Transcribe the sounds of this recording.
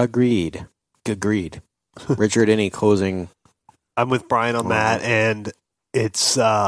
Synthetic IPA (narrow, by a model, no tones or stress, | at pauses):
ɨɡɹid̥ | ɡ̥ɨɡɹid̥ | ɹɪt͡ʃə˞ɾɛ̃ñikʰoʊzɪ̃ŋ | ãɪ̃mwɨðbɹãɪɨ̃nə̃nðæt̚ɨ̃n | ɪtsʌ